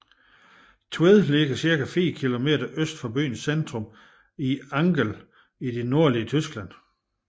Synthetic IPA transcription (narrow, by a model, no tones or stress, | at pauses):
t͡sʰueðˠleɡ̥ɐsiɐkæfḛːkʰilo̝me̝̰ːdɐʔøsd̥fɒ̽b̥y̰ːnsend̥ʁɔ̽m | iɑ̈ŋɡ̥əl | id̥e̝no̝ɐ̰liət͡sʰysɡ̥læn̰